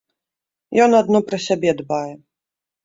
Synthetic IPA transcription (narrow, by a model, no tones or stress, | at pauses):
jɔnad̪nɔpɾɐsʲabʲɛd̪bajɛ